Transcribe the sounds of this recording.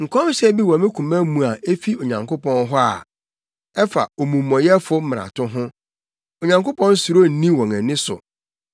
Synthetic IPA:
ŋ̩˨kʰɔ̃˦m˦ɕɛ˦bi˦wɔ̃˨mɪ̃˦kʰũ˨mæ˦mũ˨a˨e˦fi˦o˨ɲã˨ŋkʊ˦pɔ̃˦nɦɔ˦a̰˨ | ɛ˦fa̰˨o˨mũ˨mːɔ̃˨jɛ˦fʊ˦m̩˦m˨ɾa̰˨tʰʊ̃˦ɦʊ̃˦ | o˨ɲã˨ŋko˦pʰɔ̃˦n˦su˨ɾo˦n̩˦nĩ˦wɔ̃˨ŋɛ̃˨nɪ̃˦sʊ̰˨

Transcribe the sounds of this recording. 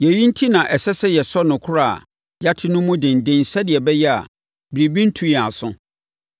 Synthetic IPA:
jɛ˨ji˦n̩˦tʰi˦nã˨ʔɛ˨sɛ˦sɛ˦jɛ˨sɔ˦nʊ̃˨kʰʊ˦ɾa̰ː˦˨ | ja˦tʰɪ˦nʊ̃˦mːũ˦dɪ̃˨n˨dɪ̃˦n˨sɛ˦dɪ˨ɛ˨bɛ˦jɛ˦a̰˨ | bɪ˨ɾi˨bĩ˦n̩˦tʰũ˦˨a̰˨sʊ̃˦

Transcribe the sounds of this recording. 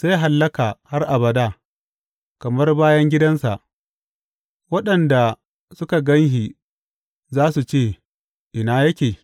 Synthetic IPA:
se˦jɦa˨lːɐ˦ka˨ha˦rʔa˨bɐ˨daː˦˨ | kɐ˨mɐ˦rbaː˦jɐ˦ŋɡʲɪ˦dɐ˦nsa˨ʔ | wɐ˦ɗɐ˨nda˨ | sʊ˦ka˨ɡɐ˦ŋhi˨ | zaː˦su˨t͡ʃeː˦˨ | ʔɪ˨naː˦jɐ˦kʲeː˨

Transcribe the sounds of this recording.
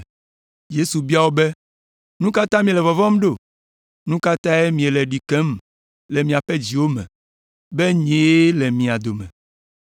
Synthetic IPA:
je˦su˨bi˦a˦˨wo˦bɛ˦ | nũ˦ka˦t̪ã˦mĩ˨lɛ˨vɔ˨vɔ̃˦m˦ɖo˦˨ | nũ˦ka˦t̪ã˦ɛ˦mĩ˨e˨lɛ˨ɖi˨kɛ̃˦m | le˨mĩ˨a˨ɸɛ˦d͡ʑi˨wo˦mɛ̰̃˨ | be˦ɲ˦e˨˦le˨mĩ˨a˨d̪o˨mɛ̃˨

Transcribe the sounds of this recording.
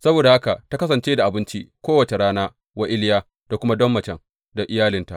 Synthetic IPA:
sɐ˦boː˨da˨ha˦ka˨ta˦kɐ˦s̬ɐ˨nt͡ʃeː˦da˨ʔa˨bɪ˦nt͡ʃi˦kʷoː˦wɐ˨t͡ʃe˨ɽaː˦naː˦ | wɐ˦ʔʲɪ˦ljaː˦ | d̥a˨kʷʊ˦ma˦dɔ˦mːɐ˨t͡ʃɛ˨ŋ | da˨ʔɪ˦jaː˦lɪ˦nta̰˨ʔ

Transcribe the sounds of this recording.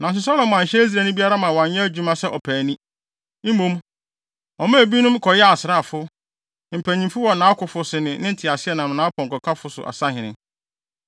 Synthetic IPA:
nã˨n˨s̬ʊ˨sa˦lɔ̃˨m˨ã˨ɲ̩˨ɕɛ˦i˦s̬ɾæ˨nʊ̃˦bi˦a˦ɾa˦mã˨wɔ̃˨ɲ˦ɲɛ̃˦æ˦d͡ʑᶣu˦mã˦sɛ˦ʔɔ˨pʰæː˨nĩ˦ | m̩˦mõ˦m | ɔ˨mã˦˨bi˦nʊ̃˦m˦kʰɔ˨jɛ˦a˨sɪ˨ɾa˦˨fʊ˦ | m̩˨pʰæ̃˨ɲĩ˨fʊ˦wɔ˨nã˨˦a˦kʰʊ˨fʊ˨sʊ˨nɪ̃˨nɪ̃˦n̩˨tʰɪ˨a˨sɪ˦ɛ˦˨nã˨m˨nã˦kɔ̃˨ŋ̩˨kɔ˨kʰa˦fʊ˦sʊ̰˨ʔa̰˨sa˦hɪ̃˨nɪ̃˦

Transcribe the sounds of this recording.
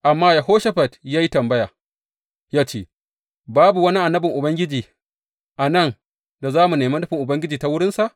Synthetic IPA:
ʔa˨mːaː˦ja˨ɦoː˦ʃɐ˦ɸɐ˨dja˦ji˦tɐ˨mbɐ˦jaː˨ | jaː˦t͡ʃeː˦˨ | baː˦bu˨wɐ˦ni˦ʔa˨nːɐ˦bɪ˨ŋʔʊ˨bɐ˦ŋɡʲɪ˦d͡ʒiː˨ | ʔa˨nɐ˦˨n | da˨zaː˦mu˨neː˨ma˦ɗʊ˦ɸɪ˨ŋʔʊ˨bɐ˦ŋɡʲɪ˦d͡ʒiː˨ta˦wʊ˦ɽɪ˦nsa˨ʔ

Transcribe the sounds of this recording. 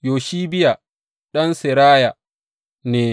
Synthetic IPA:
joː˨ʃiː˦bɪ˦ja˨ | ɗɐ˦nsɪ˨ɾaː˦ja˨ | neː˨

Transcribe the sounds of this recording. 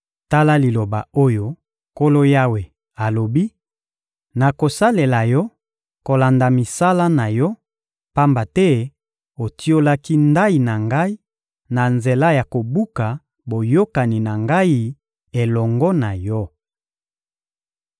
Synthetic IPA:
ta˦la˦li˨lo˨ba˨o˦jo˦ | ko˦lo˦ja˦we˨ | a˨lo˨bi˦ | na˨ko˨sa˦le˨la˨jɔ˦ | ko˨la˨nda˨mi˨sa˦la˦na˨jɔ˦ | pa˦mba˨tɛ˦ | o˨ti˦o˦la˦ki˦nda˦i˨na˨ŋɡa˦i˦ | na˨nze˨la˦ja˨ko˨bu˦ka˨ | bo˨jo˦ka˨ni˨na˨ŋɡa˦i˦ | e˨lɔ˨ŋɡɔ˦na˨jɔ˦

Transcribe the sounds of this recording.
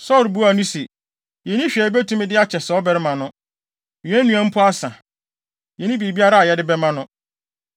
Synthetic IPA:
sɔ˦˨ɾbu˦a˨nũ˦se˨ | jɛ˨nĩ˦ɕᶣi˨ɛ˨˦bɛ˦tʰũ˦mɪ̃˦dɪ˦a˦t͡ɕʰɛ˨sɔ˦bɛ˦ɾɪ˦mã˨nʊ̃˦ | mĩ˨æ̃˦nũ˨˦æ̃˦m̩˦pʰʊ˦a˦sã˨ | jɛ˨nĩ˦be˨bi˦a˦ɾa˦a˨jɛ˦dɪ˦bɛ˦mã˦nʊ̃˦

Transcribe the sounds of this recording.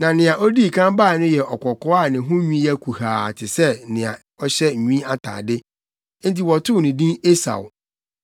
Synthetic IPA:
nã˨nɪ̃˨ã˨ʔɔ˦di˦˨kʰã˦mbaː˦˨nʊ̃˦jɛ˨ʔɔ˨kʰɔ˨kɔ˦a˦˨nɪ̃˨ɦʊ̃˦ɲĩ˦jɛ˦kʰu˨haː˨tʰɪ˨sɛ˦nɪ̃˨a̰˨ | ɔ˦ɕɛ˦˨ɲĩ˦a˦tʰa̰ː˨dɪ˦ | n̩˦ti˨wɔ˨tʰʊ˦˨nɪ̃˨dĩ˦ne˦sa̰˨w

